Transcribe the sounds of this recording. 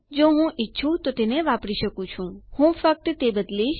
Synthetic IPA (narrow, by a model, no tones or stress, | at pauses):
d͡ʒoɦũʔɪtːʃʰut̪ot̪eneʋapɽiʃəkũt͡ʃʰũhũfək̚t̪t̪ebəd̪liʃ